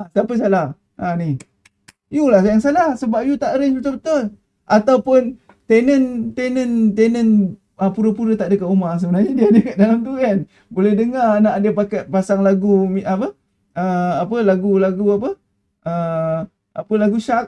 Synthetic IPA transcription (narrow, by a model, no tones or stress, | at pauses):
asapəs̬alah | ʔani | julahsajaŋsalahsəbap̚jut̪aʔɾənut̪ʊbət̪ʊl | ʔat̪awpʊn | t̪enənt̪enənt̪enən | əpuɾəpuɾət̪aʔdəkaʔumas̬əbənarɲadiaːdəkaʔ̚dalamt̪̬ukan | bolɛhdəŋarnaʔadəpakat̪̚pasaŋlaɡumiʔapə | əapəlaɡulaɡuapə | ʔə | apəlaɡuʃak̚